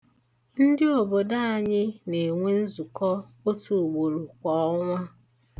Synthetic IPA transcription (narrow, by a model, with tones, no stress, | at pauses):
n̩˦dɪ˦o˨bo˨da˦a˨ɲɪ˦ne˨ŋʷe˦n̩˦zu˨kɔ˦o˦tu˨ɡ͡bo˨ɾu˨kʷɔ˨ɔ˦ŋʷa˦